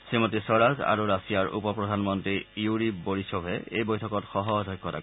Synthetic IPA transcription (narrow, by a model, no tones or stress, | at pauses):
simɔtisɔɹaza̰ɹuɹasijaɹṵpɔpɹɔdʱanmɔntɹijuɹiboɹisɔbʱɛḛjbojtʰɔkɔtxɔɦɔdʱɔjkːɔta̰